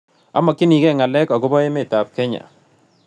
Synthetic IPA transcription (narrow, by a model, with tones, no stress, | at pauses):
a̰˦ma˨ki˦ni˨ɡɛ˦˨ŋa˨lɛ˦kɔ˨ɡʊ˦bɔ˦je˦mɛ˦˨ta˨p̚kɛ˦ɲa̰˨